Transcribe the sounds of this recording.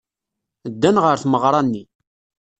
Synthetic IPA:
əd̪ːænʁəɾθməʁɾˤɑnːi

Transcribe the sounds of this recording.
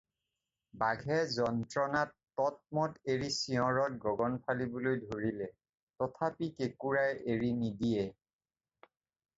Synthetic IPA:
baɡʱɛzɔntɹɔnatːɔt̚mɔteɹisiɔ̃ɹɔt̚ɡɔɡɔnpʰalibʊlojdʱoɹilɛ | tɔtʰapikekuɹajeɹinidijɛ

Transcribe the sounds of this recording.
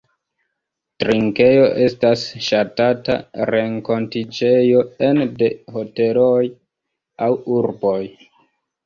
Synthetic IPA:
tɾiŋke̞jo̞ʔe̞stasʃatata̰ɾe̞ŋko̞ntid͡ʒe̞jo̞endeho̞te̞loj | awuɾboj

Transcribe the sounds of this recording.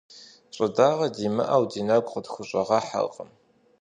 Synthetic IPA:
ɕʼɐdaːʁɐdiːmɨ̰ʔɐwdiːnɐɡʷʼχədxʷʊɕʼɐʁɑħa̰lqʼə̰m

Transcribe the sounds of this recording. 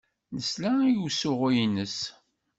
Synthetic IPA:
nəslæjuwsʊʁijnəs

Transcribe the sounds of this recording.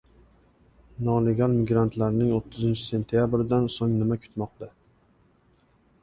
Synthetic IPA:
nɒle̞ɡʲalˠmɪɡɾant̪laɾnɪŋot̪ʰːɪzɪnt͡ʃʰɪ̥se̞nt̪ʰijabɾɪd̪ansoŋnɪmakʰʊ̥t̪mɒq̚t̪a

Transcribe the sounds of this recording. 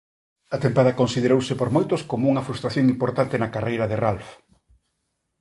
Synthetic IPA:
ɐt̪empað̞ɐkonsið̞eɾowsɪpoɾmojt̪oskomouŋɐfɾust̪ɾaθjoŋimpoɾt̪ant̪enɐkarejɾɐðeralf

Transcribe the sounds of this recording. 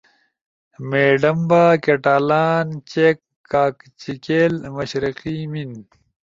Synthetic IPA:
meːɖɐmbaːkeʈaːlaːnt͡ɕekːaːkt͡ɕikeːlmɐɕɾiqimin

